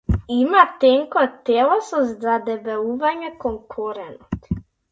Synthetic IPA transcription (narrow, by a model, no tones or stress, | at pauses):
imat̪ɛŋkɔt̪ɛlˠɔsɔzd̪ad̪ɛbɛluvaɲɛkɔŋkʰɔɾɛnɔt̪